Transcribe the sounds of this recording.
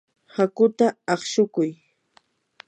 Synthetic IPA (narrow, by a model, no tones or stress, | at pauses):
hakʊt̪aɑχʃʊkʊj